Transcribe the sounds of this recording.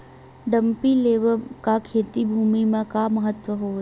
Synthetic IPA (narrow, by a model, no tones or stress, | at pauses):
ɖə̃mpileːʋəkakʰeːt̪ibʱuːmimẽkaməɦət̪ʋəɦoː